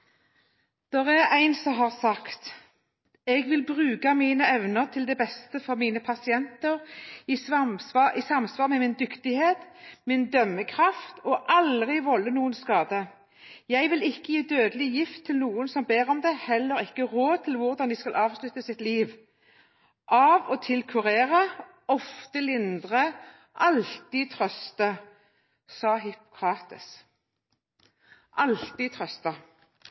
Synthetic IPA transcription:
d̪̥ɛʁæʁæɪnsɔɦɑʁsɑkt̪ | ɛɡʋɪlbʁʉːkɑmiːnəɛʋnəʁt̪ʰɪld̪ɛbɛst̪əfɔʁmiːnəpʰɑsɪɛnt̪əʁɪsɑʔisɑmsʋɑːʁmɛːmɪnd̪ʏkt̪ɪheːt̪mɪnd̪œmːəkʰʁɑft̪ɔʔɑlʁɪʋɔlːənuːənskɑːd̪ə | jæɪʋɪlɪkːəjiːd̪øːd̪əlɪjɪft̪ʰːɪlnuːənsɔmbeːʁɔmd̪ɛhɛlːəʁɪkːəʁoːt̪ʰɪlʋʊʁd̪ɑnd̪ɪskɑlʔɑːʋslʉt̪əsɪt̪liːʋ | ʔɑːʋɔt̪ʰɪlkʰʉʁeːʁə | ɔft̪əlɪnd̪ʁə | ʔɑlt̪iːt̪ʰʁœst̪ə | sɑːɦɪpʊ̥kʰʁɑːt̪ɪs | ʔɑlt̪iːt̪ʰʁœst̪ə

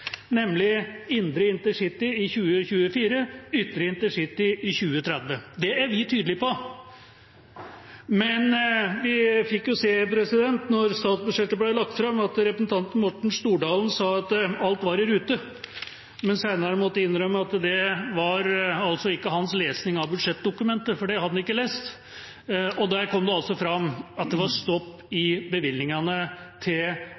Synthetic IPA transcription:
nɛmːlɪɪnd̪ɾəɪnt̪əʂɪt̪ːɪɪçʉːəçʉːəfiːɾəʏt̪ːəɾəɪnt̪əʂɪt̪ːɪɪçʉːət̪ʰɾɛd̪ʋəd̪ɛæɾʋɪt̪ʰyːd̪lɪpɔ | mɛnʋɪfɪkːjʊseːpʰɾɛsɪd̪ɛnt̪nɔɾst̪ɑːt̪sbʉʂɛt̪ːəblæɪlɑkt̪fɾɑmːɑt̪ɾɛpɾəsn̩t̪ʰɑnt̪mɔʈːɳ̩ʂt̪uːɖɑːlnsɑːɑt̪ɑlt̪ʋɑɾɪɾʉːt̪ə | mɛnsæɪnɑɾəmɔt̪ːəɪnːɾœmːəɑt̪d̪ɛʋɑɾɑlsɔɪkːəɦɑnsleːsnɪŋɑʋbʉd̪ʂɛt̪̚d̪ʊkʉmɛnt̪əfɔɖɛhɑd̪ənɪkːəleːst̪ | ɔd̪æɾkʰɔmd̪ɛɑlsɔfɾɑmːɑt̪̚d̪ɛʋɑɾst̪ɔpːɪbəʋɪlːɪŋɑnət̪ʰɪl

